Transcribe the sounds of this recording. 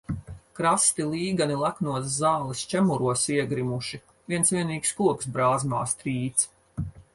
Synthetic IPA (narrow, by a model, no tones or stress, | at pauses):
kɾast̪ilˠiːɡanilˠaknuɔt̪szaːlˠist͡ʃæmuɾuɔsiɛɡɾimuʃi | vʲiɛnsvʲiɛniːkskuɔksbɾaːzma̰ːst̪ɾiːt̪s